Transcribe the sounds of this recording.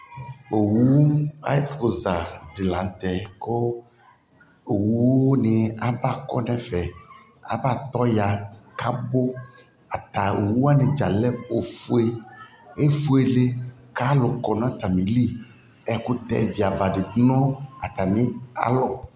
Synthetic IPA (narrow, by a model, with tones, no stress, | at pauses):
o˨wu˦a̰˦ja˦fo˨za˨ɖi˨la˨n˦t̪ɛ˨ko˦ | o˨wu˦wo˦ne˨a˨ba˦˨kɔ˦nɛ̃˦fɛ˨ | a̰˨ba˦˨t̪ɔ˦ja˨ka˦bo˦ | a˨t̪a˨o˨wu˦a˦nɛ̃˨d͡ʒa˨lɛ˦o˨fu˦e˦ | e˦fu˦e˨ɖe˦ | ka˦lo˨kɔ˨ñ˦a˦˨t̪a˨mĩ˨li˦ | ɛ˦ku˦t̪ɛ̰˦˨vi˨a˨va˨ɖi˨˦nɔ̃˦a˨t̪a˨nĩ˦a̰˨lɔ˦